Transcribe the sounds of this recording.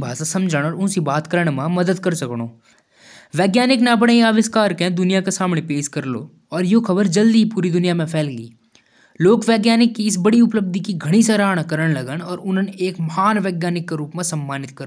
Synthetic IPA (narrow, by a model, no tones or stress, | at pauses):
bʱa̰ːsasɐ̃md͡ʒʱəɽ̃ɔːɾʊ̃nsibaːt̪kəɾəɽ̃mãmɐd̪əd̪kɐɾsɐkɽ̃oː | ʋɛːɡjaːnɪknabəɽ̃eĩaːʋɪskaːɾkẽd̪ʊnijakesaːmɽepeːʃkɐɾlo̰ː | ɔːɾjokʰɐbəɾd͡ʒɐld̪ipuːɾid̪ʊnijamẽpʰɛːlɡḭː | loːkʋɛːɡjaːnɪkːiɪs̬bɐɽiʊpləb̚d̪ʱikiɡʱɐɽ̃isɐɾaːɽ̃akəɾəɽ̃lɐɡəɽɔːɾʊnəneːkmɐɦaːnʋɛːɡjaːnɪkːeɾuːpmẽsɐ̃mːaːnɪt̪kɐ